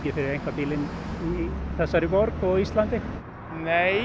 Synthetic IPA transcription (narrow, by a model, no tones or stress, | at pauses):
ɪɾfɪɾɪejŋkvapiːlɪniθɛsːaɾɪvɔɾkɔɣist̪lant̪ɪ | neː